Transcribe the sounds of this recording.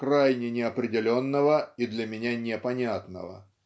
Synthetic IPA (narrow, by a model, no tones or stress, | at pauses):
krajnʲɪnʲɪɐpɾʲɪdʲɪlʲonːəvəid̪lʲɐmʲɪnʲanʲɪpɐnʲat̪nə̰və̰